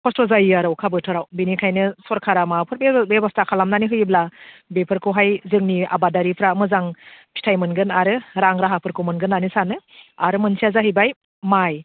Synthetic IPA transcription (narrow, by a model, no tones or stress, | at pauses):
pʰɔstɔzajɯaɾɯwkʰabɯtʰɯɾawbinikʰajnɯsɔɾkʰaɾamapʰɯɾbebebastʰakʰalamnaniɦɯjiblabepʰɯɾkʰɯwɦajzɯŋnia̰badaɾipʰɾamɯzaŋpʰi̥tʰajmɯnɡɯnaɾɯɾaŋɾaɦapʰɯɾkʰɯwmɯnɡɯnːanisanɯaɾɯmɯnsʰiazaɦɯjbaj | maj